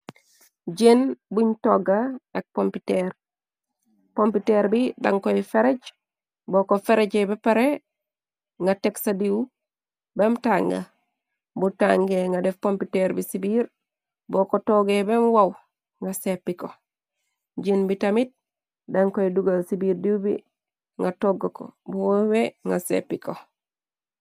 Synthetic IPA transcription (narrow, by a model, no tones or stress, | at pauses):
d͡ʒenbuɲtoɡaak̚pompiteɾ | pompiteɾbida̰ŋkoifeɾeɟ | boːkofeɾeɟebepaɾe | ŋɡateksadiw | bemutaŋɡa̰ | butaŋɡeŋɡadefpompiteɾbisibiːɾ | bokotoɡebemuwaw | ŋɡasepːiko | ɟinbitamit̚ | daŋkoiduɡasibiːɾdiubḭ | ŋɡatoɡoko̰buwoweŋɡasḛpːiko